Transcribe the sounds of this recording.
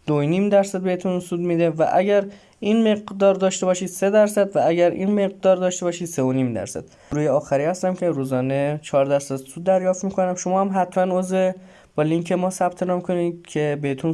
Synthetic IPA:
d̪̥onimd̪æɾsæd̪̚beet̪ʰunsuːd̪mid̪evæ̰ʔæ̰ɟæɾ | inme̞ɣd̪ɒːɾd̪ɒːʃt̪e̞bɒːʃiːd̪̥se̞d̪æɾsæd̪vææɟæɾḭːnme̞ɣ̚d̪ɒːɾd̪ɒːʃt̪e̞bɒːʃiːd̪̥seoniːmd̪æ̰ɾsæ̰d̪̥ | ɾuːjeɒːxæɾiːhæst̪æmcʲʰe̞ɾuːzɒːne̞t͡ʃʰɒːɾd̪æɾsæd̪suːd̪ːæɾjɒːft̪miːkʰonæmʃo̞mɒːhæmɦæt̪ʰmænozve | b̥ɒːliŋkʰe̞mɒːsæbt̪ʰe̞nɒːmkʰo̞niːd̪̥̚cʲʰe̞behet̪ʰun

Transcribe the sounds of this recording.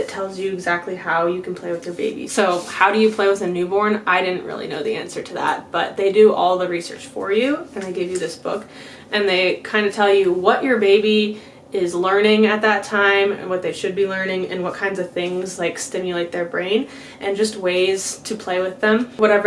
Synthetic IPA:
ɨtʰɛlˠzjɨɨɡzæk̚tʰˡlihaʊjɨkʰn̩pʰl̥eɪwɨðjə˞bḛɪbḭsoʊhaʊɾɨjɨpʰl̥eɪwɨðɨnʉbɔɹnaɪɾɪdⁿn̩ʔ̚ɹɪ̰lˠḭno̰ʊðiæ̰̃nsə˞ɾɨðæ̰t̚b̥ʌ̰t̪̚ðeɪdɨʔɔlˠðɨɹisɜ̰˞t͡ʃfə˞jʉɨ̃naɪɡeɪvjɨðɪsb̥ʊ̰k | ʔɨ̃nðeɪkʰãɪ̃ndɨtʰɛlˠjɨwʌt͡ʃə˞beɪbi | ɪzlɜ̃˞nɪ̃ŋɨt̪̚ðɨtʰãɪ̃mɨ̰̃nwʌt̪̚ðeɪʃɨd̚bilɜ̃˞nɪ̃ŋɨ̰̃nwʌt̚kʰãɪ̃ndzʌv̥θɪ̃ŋzlaɪkstɪ̃mjɨleɪt̪̚ðə˞bɹẽɪ̃n | ʔɨ̃nd͡ʒʌst̚weɪz̥tʰɨpʰl̥eɪwɨðɨ̃mwʌɾɛɪv

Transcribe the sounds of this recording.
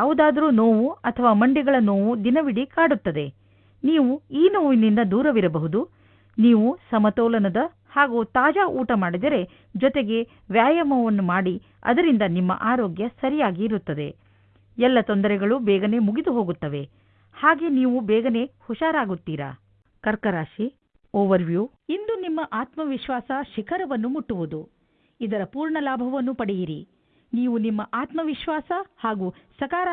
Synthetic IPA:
jaːʋud̪aːd̪ɐɾuːnoːʋuɐt̪ʰɐʋaːmɐɳɖiɡɐɭɐno̞ːʋud̪inɐʋiɽikaːɽut̪ːɐd̪e̞ | niːʋuiːnoːʋinind̪ɐd̪uːɾɐʋiɾɐbɐɦud̪u | niːʋusɐmɐt̪ɔːlɐnɐd̪ɐ | haːɡuːt̪aːd͡ʒaːʔuːʈɐmaːɽid̪ɐɾe̞ | d͡ʒɔt̪e̞ɡe̞ | ʋjaːjɐmɐʋɐnːumaːɽi | ɐ̰d̪ɐɾind̪ɐnimːɐ̰ʔaːɾoːɡjɐsɐɾijaːɡiːɾut̪ːɐd̪e̞̰ | ɛlːɐt̪ond̪ɐɾɛɡɐɭubɛːɡɐne̞muɡid̪uɦo̞ːɡut̪ːɐʋe̞ | haːɡe̞niːʋubɛːɡɐne̞huʃaːɾaːɡut̪ːiːɾɐ̰ | kɐɾkɐɾaːʃi | ɔːʋɐɾʋju | ind̪unimːɐʔaːt̪mɐʋiʃʋaːsɐʃikʰɐɾɐʋɐnːumuʈːuʋud̪u | id̪ɐɾɐpuːɾɳɐlaːbʱɐʋɐnːupɐɽejiɾi | niːʋunimːɐʔaːt̪mɐʋiʃʋaːsɐhaːɡuːsɐkaːɾɐ

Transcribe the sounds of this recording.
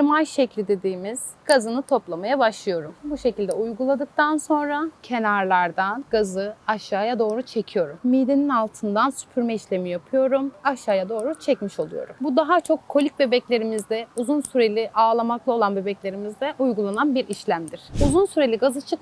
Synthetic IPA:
ɾmajʃɛclʲid̪e̞d̪iːmiz̥ | ɡ̥azɯnɯt̪ʰo̞plˠamajabaʃlˠɯjo̞ɾumbuʃe̞cilʲd̪ɛujɡulˠad̪ɯk̚t̪ʰanso̞nɾacʰe̞naɾlˠaɾd̪anɡazɯaʃaːjad̪o̞ːɾut͡ʃʰe̞cʰijo̞ɾumːiːd̪eninalˠt̪ʰɯnd̪ansy̥pʰyɾmɛiʃlʲe̞mijapʰɯjo̞ɾumaʃaːjad̪o̞ːɾut͡ʃʰɛcmiʃo̞lˠujo̞̰ɾumbud̪aɦat͡ʃʰo̞kʰːo̞lʲic̚be̞bɛclʲe̞ɾimizd̪ɛuzunsyɾe̞lʲɪʔaːlˠamaklˠao̞lˠanbe̞bɛclʲe̞ɾimizd̪ɛʔujɡulˠananbiɾiʃlʲæmd̪iɾ̥uzunsyɾe̞lʲiɡazɯt͡ʃʰɯk

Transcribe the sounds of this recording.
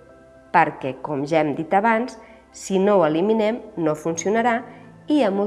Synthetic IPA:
pəɾkɛkomʒaɛmd̪it̪aβansː | inowəliminɛmnofunsiunaɾa | iamu

